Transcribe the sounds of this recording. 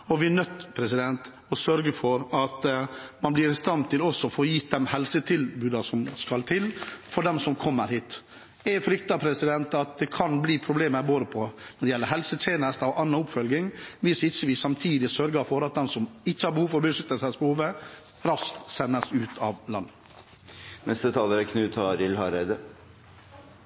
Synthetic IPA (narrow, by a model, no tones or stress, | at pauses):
ɔʋɪænœt̪ːpʰɾɛsɪd̪ɛnt̪ | ɔsœɾɡəfɔɾɑt̪mɑnblɪɾɪst̪ɑnt̪ɪlɔsːɔfoːjiːt̪̚d̪ɛmhɛlsət̪ʰɪlbʉːd̪ɑsɔmskɑlt̪ʰɪlfɔɖ̪ɛmsɔmkʰɔmːəɾhiːt̪ | ɛfɾʏkt̪ɑpʰɾɛsɪd̪ɛnt̪ɑt̪̚d̪ɛkʰɑnbliːpʰɾʊbleːməɾboːd̪əpʰɔnɔd̪ɛjɛlːəɾɦɛlsət̪ʰeːnəst̪əɔʔɑnːɑʊpfœlɡɪŋʋɪsɪçːəʋɪsɑmt̪ʰiːd̪ɪsœɾɡəɾfɔɾɑt̪̚d̪ɛmsɔmɪçːəhɑɾbəhuːʋfɔɾbəsʏt̪ːəsæsbəhuːʋə | ɾɑskt̪sɛnːəsʉːt̪ʰɑʋlɑnːə | nɛst̪ət̪ʰɑːləɾəkʰnʉːt̪ʰɑɾɪlhɑɾeɪd̪ə